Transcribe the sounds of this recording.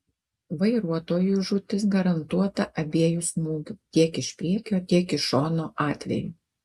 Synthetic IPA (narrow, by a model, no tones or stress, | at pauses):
ʋɐɪɾuɔt̪oːjuʒʊt̪ʲɪsɡɐɾɐnt̪uɔt̪ɐʔɐbʲiɛjʊsmuːɡʲʊt̪ʲiɛkɪʃpʲɾʲiɛkʲoːt̪ʲiɛkɪʃoːnoːʔɑːt̪ʲʋʲɛ̰ju